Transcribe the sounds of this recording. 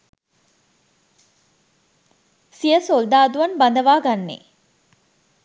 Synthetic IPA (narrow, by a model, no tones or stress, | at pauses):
sijəsold̪aːd̪uʋɐnband̪əʋaːɡanːḛ